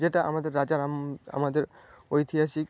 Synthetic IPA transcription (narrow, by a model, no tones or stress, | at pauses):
d͡ʑeʈaʔa̰mad̪eɾːad͡ʑaɾama̰mad̪eɾ | ojt̪ʰiɦaʃik